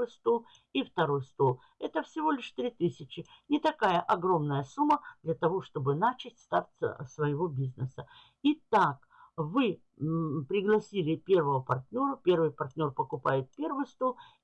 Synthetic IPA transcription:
ojst̪o | ift̪ɐɾo̞jst̪o̞ | ɛt̪əfsʲɪvo̞lʲɪʂt̪ɾʲit̪ɨsʲɪt͡ɕɪ | nʲɪt̪ɐkajəʔɐɡɾo̞mnəjəsumːəd̪lʲɐt̪ɐvo̞ʂt̪o̞bɨnat͡ɕɪtʲst̪artʲsə̰svəjɪvo̞bʲiznəsə | it̪ak | vɨ | pɾʲɪɡlˠɐsʲilʲɪpʲe̞rvəvəpɐrt̪ʲnʲo̞ɾəpʲe̞rvɨjpɐrt̪ʲnʲo̞rpəkʊpajɪt̪̚pʲe̞rvɨjst̪o

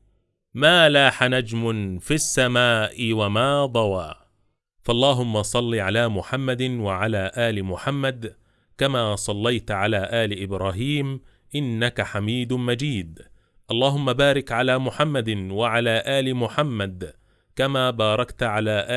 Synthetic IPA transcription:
maːlaːħanad͡ʒmʊnfiasːamaːʔɪwamaːd̪ˤɑwaː | fɑʔɑlˤːɑːɦʊmːasˤɑlːiʕalaːmʊħamːad̪waʕalaːʔaːlɪmʊħamːad̪ | kamaːsˤɑlːajt̪ʕalaːʔaːlɪʔɪbɾˤaːɦiːm | ʔɪnːakaħamiːd̪mad͡ʒiːd̪ | ʔɑlˤːɑːɦʊmːabaːɾɪkʕalaːmʊħamːad̪waʕalaːʔaːlɪmʊħamːad̪ | kamaːbɑːɾˤɑkt̪ʕalaːʔaː

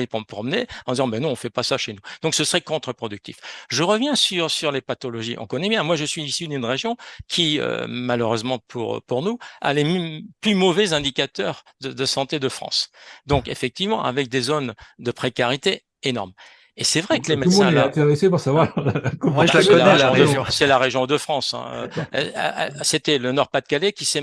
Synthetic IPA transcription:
epuʁməpχɔmneɑ̃d̪izɑ̃mɛnɔ̃ɔ̃fɛpasaʃenud̪̥ɔ̃ksəsəʁɛkɔ̃t̪χəpχɔd̪yk̚t̪ifʒəʁəvjɛ̃syʁsyʁlepat̪ɔlɔʒiʔɔ̰̃kɔnɛbjɛ̃mwaʒəsɥiːsiynynʁeʒjɔ̃kʲʰiø̰maløʁøzmɑ̃pʰṵʁ̰puʁnua̰lemplymɔvɛzɛ̃d̪ikat̪œʁd̪əd̪əsɑ̃t̪ed̪əfχɑ̰̃sd̪ɔ̃kefɛk̚t̪ivmɑ̰̃ʔa̰vɛk̚d̪ezond̪əpχekaʁit̪e | enɔ̰ʁm | esɛvʁɛkəlemɛ̃ɛ̃ɛɛ̃t̪eʁesepuʁsavwakɔmɑ̃skɛɔlaɛelaɔ̃j̃sɛlaʁeʒjɔ̃d̪əfχɑ̃sɛ̰̃ø̰ | set̪ɛlənɔʁpat̪̚kalekʲisɛ

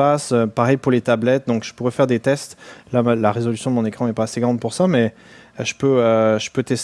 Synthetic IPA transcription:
asøpaʁɛjpuʁlet̪ablɛt̪̚d̪ɔ̃kʒ̥ə̥puʁɛfɛʁd̪et̪ɛst̪lamlaʁezɔlysjɔ̃d̪əmɔ̃nekχɑ̃ɛpaːseɡʁɑ̃d̪̚puʁsamɛ | ʒəpøøʒə̥pøt̪ɛs

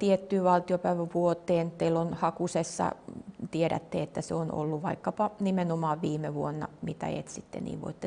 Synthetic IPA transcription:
t̪iet̪ːyːʋɑlt̪iopæiʋæʋuot̪ːˑeːnt̪eilːonhɑkusesːɑ̰t̪ieɾæ̰t̪ːeet̪ːæseono̰lːuʋʋɑikːɑpɑnimenomɑːʋʋiːmeʋuonːɑ̰mit̪æ̰ḛt̪sit̪ːḛnḭːʋʋo̰it̪ːe

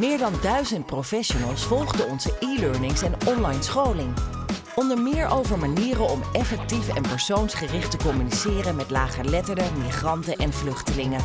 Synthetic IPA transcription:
mɪːɹdɑndœɥzəntprofɛʃonəlˠsfɔlˠχdəɔnzəʔiløɹnɪŋsɛnɔnlɑjnsχowlɪŋ | ʔɔndəɹmɪːɹʔowvəɹmaniːrənɔmɛfɛk̚tifɛnpɛɹsownsχərɪχtəkɔmynisɪːrənmɛtlaːχəlɛtəɹdəmiχrɑntəʔɛnvlɵχtəlɪŋə

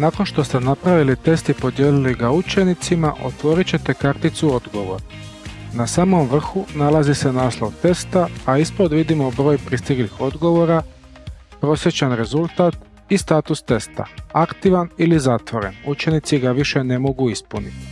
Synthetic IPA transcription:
nako̞nʃt̪o̞st̪enapɾaʋilit̪e̞st̪ipo̞d̪jeːliliɡaut͡ʃe̞nit̪simaʔo̞̰t̪ʋo̞ːɾit͡ɕe̞t̪e̞kaɾt̪it̪suo̞d̪ɡo̞ʋo̞̰ɾa | nasaːmo̞mʋr̩xunalazise̞naːslˠo̞ʋt̪e̞st̪aːispod̪ʋid̪imo̞bɾo̞ːjpɾist̪iɡlixo̞d̪ɡo̞ʋo̞ɾa | pɾo̞sje̞t͡ɕanɾe̞zulˠt̪aːt̪ | ist̪aːt̪ust̪e̞st̪a̰akt̪iʋanilizat̪ʋo̞ɾe̞̰nut͡ʃe̞nit̪siɡaʋiʃe̞ne̞mo̞ɡuispunit̪i̥

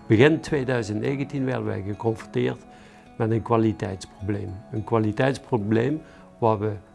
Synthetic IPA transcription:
b̥əɣɪntʋeːdœɥzəntneːɣəntinʋɛ̰rdəʋɛ̰jɣəkɔnfɔntɪːrt | mɛtənkwalitɛ̰jtsproblejmənkʋalitɛjtsprobleːm | ʋaːɹʋə

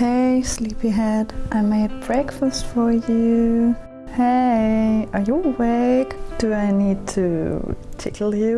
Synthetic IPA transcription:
heɪslipiɦɛdʔaɪmeɪd̚bɹɛkfəstfə˞jʉ | heɪə˞jəwekd̥ɨaɪnid̚tʰṵt͡ʃʰɪkʰl̩ˠjʉ

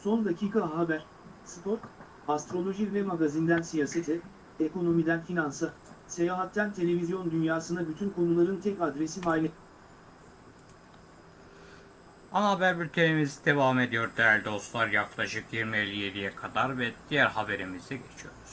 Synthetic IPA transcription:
so̞nd̪acʰiːkʰaɦabæɾ̥ | sɯpʰo̞ɾ | ast̪ɾo̞lʲˠo̞ʒivɛmaɡazind̪ænsijaːse̞t̪ʰɛ | eko̞no̞mid̪ænfinansɯ | se̞jaːɦat̪ːænt̪ʰe̞lʲe̞vʲizjo̞nd̪ynjaːsɯnabyt̪ʰynkʰo̞nulˠaɾɯnt̪ʰɛcad̪ɾe̞sifaːlʲe | anaabæɾbyɾt̪ʰenimizid̪̥e̞vaːɦme̞d̪ijo̞ɾd̪ælʲd̪o̞st̪lˠaɾjaklˠaʃɯkjiɾmielʲːijelʲijɛkʰad̪aɾvɛd̪̥ijæɾhabe̞ɾimizd̪ɛɟe̞t͡ʃʰijo̞ɾuz̥

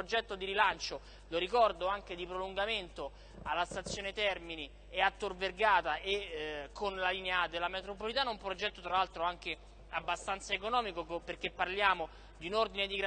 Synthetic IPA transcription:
od͡ʒɛt̪ːod̪iɾilant͡ʃo | loɾikɔrd̪oaŋk̟ed̪ipɾoluŋɡament̪o | alːast̪at̪sːjoːnet̪ɛrmini | eat̪ːorverɡaːt̪aʔekʰːonlalinead̪elamet̪ɾopolit̪aːnaumpɾod͡ʒɛt̪ːot̪ɾalalt̪ɾoaŋk̟e | abːast̪ant̪saekonɔːmikokoperk̟epːarljaːmo | d̪iunord̪ined̪iɡɾ

